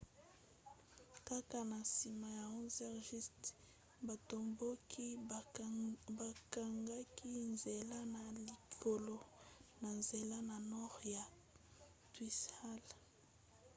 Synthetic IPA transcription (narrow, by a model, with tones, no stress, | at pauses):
ka˦ka˨na˨si˨ma˨ja˨ɔ˦zɛ˦ʁʒi˦st | ba˨to˨mbo˦kʰi˦ | ba˨ka˨ŋɡa˦ki˦nze˨la˦na˨li˨kʰo˨lo˨na˨nze˨la˦na˨nɔ˦ʁja˨ | twi˦sa˦l